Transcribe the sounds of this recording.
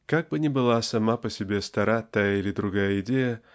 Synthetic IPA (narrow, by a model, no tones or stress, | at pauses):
kaɡ̚bɨnʲɪbɨlˠasɐmapəsʲɪbʲest̪ɐɾat̪ajəilʲɪd̪ɾʊɡajəɪdʲejə